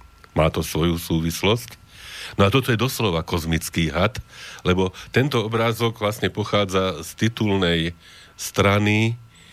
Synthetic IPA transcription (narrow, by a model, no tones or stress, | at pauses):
maːt̪ɔsʋɔjusuːʋislɔsc | nɔat̪ɔt̪ɔjɛd̪ɔslɔʋakɔzmit͡skiːɦat̪lɛbɔt̪ɛnt̪ɔɔbɾaːzɔɡʋlasɲɛpɔxaːd͡zast̪it̪uːlnɛj | st̪ɾani